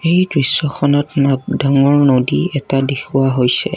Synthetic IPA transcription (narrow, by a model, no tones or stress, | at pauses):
ejdɹisːɔxʰɔnɔtnaɡdaŋɔɹnodiɛtadexʰuwaɦojsɛ